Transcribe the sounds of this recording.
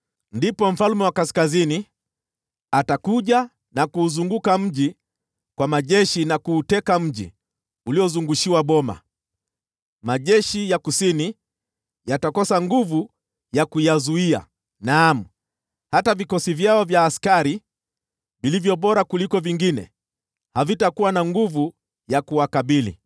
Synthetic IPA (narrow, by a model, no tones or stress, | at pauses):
ndipɔm̩falmɛwakaskazini | atakuʄa | nakuːzuŋɡukam̩ʄi | kwamaʄɛʃinakuːtɛkam̩ʄḭ | uliɔzuŋɡuʃiwaɓɔma̰ | maʄɛʃijakusini | jatakɔsaŋɡuvu | jakujazuia̰ | namu | hatavikɔsivjaɔvjaːskaɾi | vilivjɔɓɔɾakulikɔviŋɡinɛ̰ | havitakuwanaŋɡuvu | jakuwakaɓilḭ